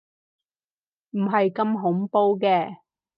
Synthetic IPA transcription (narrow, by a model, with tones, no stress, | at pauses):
m̩˨˩ɦɐ˨jkɐ˧mɦʊ˨˥ŋpo˧wkɛː˧